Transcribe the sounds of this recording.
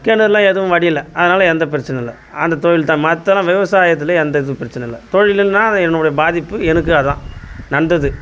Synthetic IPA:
kɛnɐðlːãːɛðɯʋʊ̃ʋɐɽɪjɪlːɐɐðɐnaːlɐɛnd̪ɐpɪɾɪt͡ʃːɐnɐɪlːɐ̰ | ɐnd̪ɐt̪ɔɻɪlt̪ãːmɐt̪ːɐlãːʋɪʋɐsaːjɐt̪ːɪlɐɛnd̪ɐɪðɯpɪɾɐt͡ʃːɐnɐɪlːɐt̪ɔɻɪlɪnnãːɛnɯɽɐjɐbaːðɪpːɯɛnɯk̬ːɯɐðt̪ã̰ːnɐɳɖɐðɯ

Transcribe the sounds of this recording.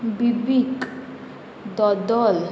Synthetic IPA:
bibikʼ | d̪ɔd̪ɔl

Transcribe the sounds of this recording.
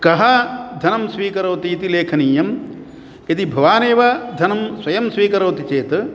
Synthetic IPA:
kɐɦɐd̪ʱɐnɐmsʋiːkɐɾoːt̪iːt̪ileːkʰɐniːjɐm | ɐt̪ibʱɐʋaːneːʋɐd̪ʱɐnɐmswɐjɐmsʋiːkɐɾɐːt̪it͡ʃeːt̪

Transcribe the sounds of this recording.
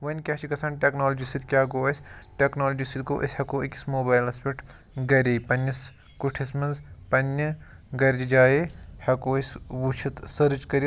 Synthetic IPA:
ʋɐnʲkʲaːt͡ʃʰikɐsaːnʈʲeknoːld͡ʒisid̪kʲaːɡoːɐsʲʈʲeknoːlod͡ʒisid̪ko̰ːʔisʲhɐkoːikʲi̥smoːbaːjlɐspʲeʈʰ | ɡɐɾʲepɐnːɐs | kuʈʰismɐnzpɐnːɐ | ɡɐɾʲd͡ʒid͡ʒaːjehɐkoːisʲʋut͡ʃʰɐt̪sɐɾd͡ʒkɐɾi

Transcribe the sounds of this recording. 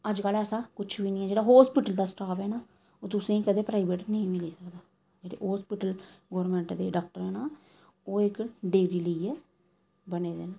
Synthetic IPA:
əd͡ʒkələsãːkʊt͡ʃʰʋiːnɪ̃ːɛːd͡ʒeːɽaːɦoːspiːʈəld̪aːsʈaːpɛːnaː | oːt̪ʊsẽːiːkəd̪eːpɾaːiʋeːʈnəĩːmɪliːsəkd̪aː | d͡ʒeːɽḛːɦoːspiʈəl | ɡoːɾmẽːɳʈd̪eːɖaːk̚ʈəɾɛːnaː | oːɪkɖeːɾiːləiɛː | bəneːd̪eːnaː

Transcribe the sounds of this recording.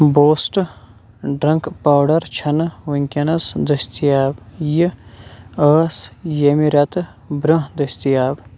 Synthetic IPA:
boːsʈ | ɖɾɐŋkpaːwɖɐɾt͡ʃʰɐnʋɐŋkʲɐnɐsd̪ɐsʲt̪ijaːbji | əːsjemiɾɐt̪ | bɾɐɦd̪ɐsʲt̪ijaːb

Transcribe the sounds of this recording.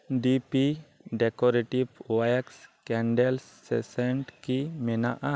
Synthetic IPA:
ɖipi | ɖɛkɔɾeʈibwajɛkskɛɳɖɛlsːɛ̰sɛɳʈkimɛnaʔa

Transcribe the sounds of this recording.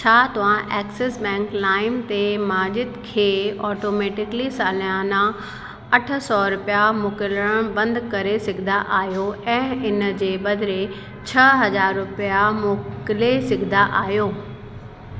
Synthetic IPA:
t͡ɕʰaːt̪ɐʋ̤ãʔɛːksesbɛ̃ːŋklaːɪmt̪emaːʄɪd̪kʰeːɔːʈoːmeːʈɪklisaːlãnã | ɐʈʰə̆sɔɾʊpijamʊkɪləɽ̃bɐ̃nd̪kɐɾesɪɡʰʱɪnd̪aʔaːɦjoɛ̃ːɪnəd͡ʑeːɓɐd̪ʱɾe | t͡ɕʰɐɦɐzaːɾːʊpijamʊkɪlesɪɡʱɪnaʔaːɦjoː

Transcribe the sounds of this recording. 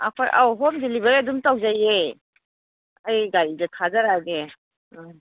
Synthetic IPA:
a̰kʰojʔa̰wɦɔmdilibaɾiadumtawzajej | ajɡaɾidetʰazaɾaɡe

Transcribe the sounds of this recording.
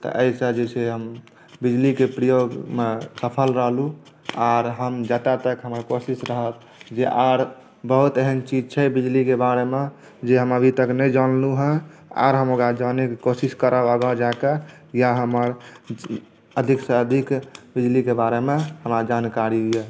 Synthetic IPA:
t̪ɔ̰ʔəjsəd͡ʒeseɦəm | bid͡ʒlikepɾijoɡmesəpʰəlɾəɦlu | aɾɦəmd͡ʒət̪at̪əkɦəməɾkosisɾəɦət̪ | d͡ʒeʔaɾ | bəɦut̪eɦənt͡ʃid͡ʒt͡ʃʰɛbid͡ʒlikebaɾeme | d͡ʒeɦəməbʱit̪əknəjd͡ʒanluɦə̃a̰ɾɦəmoɡɾad͡ʒanekekosiskəɾaəɡəd͡ʒaka | jaɦəməɾ | əd̪ʱiksəəd̪ʱikbid͡ʒlikebaɾemeɦəmɾad͡ʒankaɾiɦujɛ

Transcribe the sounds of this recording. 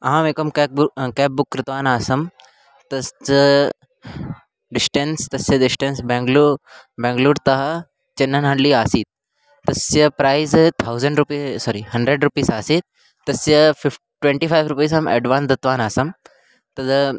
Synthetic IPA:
ɐɦãːmeːkɐmkekɛːp̚bʊkːɾɪt̪ʋaːnaːsɐm | t̪ɐs | ɖɪsʈẽnst̪ɐsjɐdɪsʈẽnsbẽŋɡlubẽːŋɡluːɾt̪ɐɦ | t͡ʃɐnːɐnɦɐ̃ɳɖliːaːsiːt̪̚ | t̪ɐsjɐpɾaːɪzt̪ʰaʊzɐ̃ɳɖɾupiːsɔːɾihɐ̃ɳɖɾeɖɾupiːsaːsiːt̪̚ | t̪ɐsjɐfɪ | ʈwẽɳʈiːfʰaːjʋɾupiːsɐmḛːɖʋãːnsd̪ɐt̪ʋaːnaːsɐm | t̪ɐd̪

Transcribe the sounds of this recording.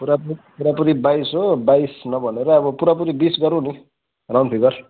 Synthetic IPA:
puɾapuipuɾapuɾibajsɦobajsnʌbʱʌneɾʌːβʌpuɾapuɾibisɡʌɾũni | rawnt̪ʰiɡʌr

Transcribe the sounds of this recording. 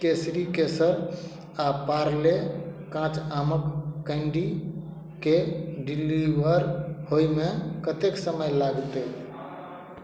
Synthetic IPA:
kesɾikesəɾ | apaɾlekãt͡ʃaməkːəɪɳɖi | keɖiliʋəɾhojmekət̪eksəməjlaɡt̪e

